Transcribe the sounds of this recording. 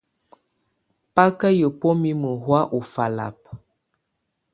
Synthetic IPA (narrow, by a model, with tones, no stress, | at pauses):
pa˦kə˦jə˨pɔ˦mi˦mə˨ɦwa˦ʔu˨fa˨la̰˨p̚